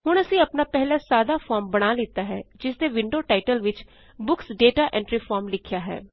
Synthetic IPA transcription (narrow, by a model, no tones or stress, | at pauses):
ɦʊɽ̃əsĩːəpnaːpɛɦlaːsaːd̪aːpʰɔːɾmbəɽ̃aːlɪːt̪aːɦɛːd͡ʒɪsd̪eːʋɪɳɖoːʈaːɪʈəlʋɪt͡ʃ | bʊksɖeːʈaːʔɛ̃ːɳʈɾɪfʰaːɾmlɪkʰjaːɦɛ̰ː